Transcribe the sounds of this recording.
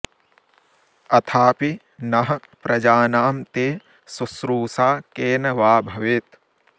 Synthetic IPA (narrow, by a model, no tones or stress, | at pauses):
ɐt̪ʰaːpi | nɐɦɐ̆ | pɾʔɐd͡ʒaːnaːmt̪eː | susɾuːsaːkeːnɐʋaːbʱɐʋet̪